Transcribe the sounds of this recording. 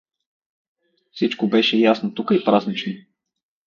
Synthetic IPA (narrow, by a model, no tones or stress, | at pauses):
fsit͡ʃkobɛʃɛjasnot̪ukəipɾaznit͡ʃno